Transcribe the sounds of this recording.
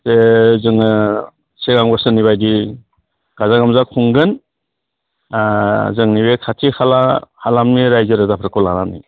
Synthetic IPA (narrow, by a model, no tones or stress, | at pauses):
sezɯŋɯ | seɡaŋbasɯniβajdi | ɡ̥azaɡamzakʰuŋɡɯn | zɯŋniβekʰatʰihalahalamniɾajzɯɾɯzapʰɾɯkʰɔlanani